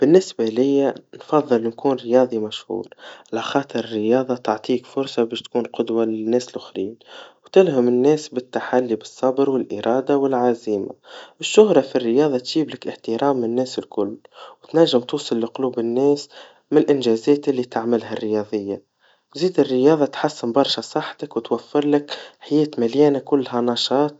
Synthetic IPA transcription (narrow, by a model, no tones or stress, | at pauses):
b̥ɪnːɪsbalɪjːanfɑðˤːɨlnkuːnɾəjɑːðˤimæʃhṵːɾʕalaxɑːt̪ˤɨɾərːjɑːðˤɑt̪ɑʕt̪ˤiːkfʊɾsɑbɛːʃt̪kuːnqʊd̪walɪnːɛːsɪlʔʊxɾiːnwt̪ɪlɦʊmɪnːɛːsbɪt̪ːaħalːibɨsˤːɑbɾwɪlʔɪɾˤʔɑːd̪awɪlʕaziːma̰ʔɪʃːʊhɾˤɑfirːəjɑːðˤɑt̪ʒiːblɪkʔɪħt̪əɾɑːmːɪnːɛːsɪlkʊlːwɪt̪naʒːɪmt̪uːsˤɨlːiqʊluːbɪnːɛːs | mɪnlʔɪnʒɛːzɛːt̪ʔɪlːit̪aʕmɪlɦarːəjɑːðˤɪjːa | ziːd̪ɪrːəjɑːðˤɑt̪ħasːɪmbɑɾˤʃasˤɑħːt̪akwt̪wafːɪɾˤlɪkħajɛːt̪maljɛːnakʊlːɦænɑːʃɑːt̪̚